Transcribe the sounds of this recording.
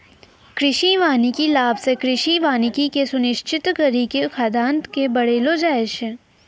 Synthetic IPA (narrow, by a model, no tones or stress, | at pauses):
kɾɪʃiʋaːnikilaːbsekɾɪʃiʋaːnikikesʊnɪʃt͡ʃɪt̪kəɾikekʰaːd̪aːnt̪kebɐɽeːlod͡ʒaːeʃe